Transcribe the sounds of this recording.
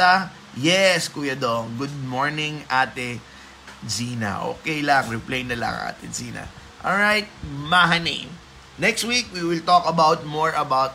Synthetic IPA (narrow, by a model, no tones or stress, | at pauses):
ɐ | jɛskuːjɐd̪oŋɡʊd̪̚moɹnɪ̃ŋʔaːt̪ɛ | d͡ʒiːnɐ̰ʔo̰ːkɛjlɐŋɹɛplejnɐlɐ̰ŋʔa̰ːt̪ɛd͡ʒiːnɐ̰ʔolɹajt̪̚maɦɐnḛ̃m | nɛkst̪̚wik̚wiwɪlt̪okɐbawt̪̚moɹʔɐbawt̪̚